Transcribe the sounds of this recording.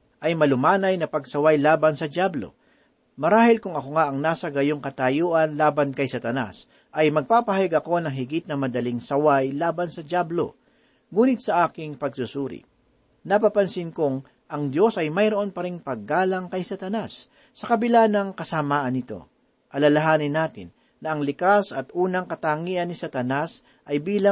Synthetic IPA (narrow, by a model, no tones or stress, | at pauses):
ʔɐjmɐlʊmaːnɐjnɐpɐɡsɐwajlaːbɐnsɐd̪jablo̞̰ | mɐɾaːhɪlkʊŋɐkoŋaʔɐŋnaːsɐɡɐjoŋkɐt̪ɐjuːʔɐnlaːbɐnkɐjsɐt̪ɐna̰s | ʔɐjmɐɡ̚paːpɐhɐjaɡɐko̞nɐŋɦɪɡɪt̪̚nɐmɐd̪ɐliŋsɐwajlaːbɐnsɐd̪jablo̞̰ | ŋuːnɪt̪̚sɐʔaːkɪŋpɐɡ̚susuːɾɪ̰ | nɐpɐpɐnsɪnkʊŋ | ʔɐŋd̪jo̞sɐjmɐjɾoʔonpɐɾɪŋpɐɡːaːlɐŋkɐjsɐt̪ɐnasː | ɐkɐbɪlaːnɐŋkɐsɐmaːʔɐnːɪt̪o̞̰ | ʔɐlɐlɐɦaːnɪnːaːt̪ɪnːɐʔɐŋlɪkasɐt̪ʔuːnɐŋkɐt̪aːŋiʔɐnːɪsɐt̪ɐnas | ʔɐjbiːlɐ